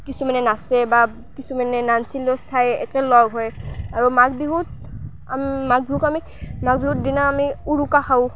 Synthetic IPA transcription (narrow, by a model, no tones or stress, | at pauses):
kisumanɛnasɛba | kisumanɛnansilɔsajɛ̰kɛlɔɡɦɔjaɹumak̚biɦut̚ | amaɡ̚biɦukami | maɡbiɦut̚dinaamiuɹukaxaʊ̃